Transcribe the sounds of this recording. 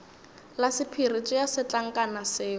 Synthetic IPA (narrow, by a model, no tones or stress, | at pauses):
lasɪpʰirit͡sʼɔjasɪt͡ɬaŋ̩kʼanasɪː